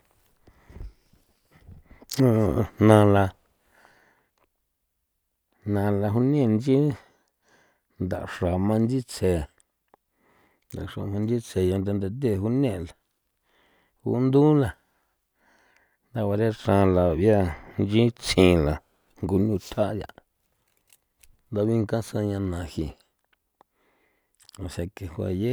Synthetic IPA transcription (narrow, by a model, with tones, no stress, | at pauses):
õ˧˨˧nã˧la˧ | nã˧la˧ɦu˧nẽ˦˧˨nd͡ʒi˦ | nd̪a̰˨ʔʂa˨mã˧nd͡ʒi˦t͡sʰe˨ | nd̪a˨ʂa̰˨hu˧nd͡ʒi˦t͡sʰe˨ja˧nd̪a˧nd̪a˧t̪e˦˨hu˧nẽ˦˨la˨ | hṵ˧˦nd̪u˦la˨ | nd̪a˧wa˧ɾe˦ʂã˧la˨βja˦˧nd͡ʒi˦t͡sʰĩ˧˨la˨ | ŋɡu˧˨ɲũ˧˨t̪ʰa˦ʔd̪ja̰˧˨ | nd̪a˧βi˦ŋkã˦sã˧ɲã˧nã˨hi˧ | a˨ʃa˧ke˨hwa̰˨je˦